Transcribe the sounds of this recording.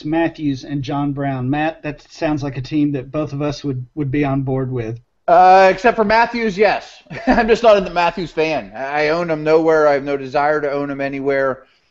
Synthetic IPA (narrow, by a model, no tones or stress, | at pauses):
mæθjʉzɨ̃nd͡ʒɑ̃nbɹãʊ̃nmæt̪̚ðɨtsãʊ̃ndzlaɪkɨtʰĩmðɨt̚b̥oʊθʌvʌswəd̚wəd̚biə̃nbɔɹd̚wɪð̥ | ʌɨksɛp̚tfə˞mæθjʉzjɛs | ãɪ̃md͡ʒʌstnəɾɨ̃nðəmæθjʉz̥fæ̃naɪõʊ̃nə̃mnoʊwɛɹaɪɨvnoʊdɨzaɪə˞ɾɨõʊ̃nɨ̃mɛniwɛɹ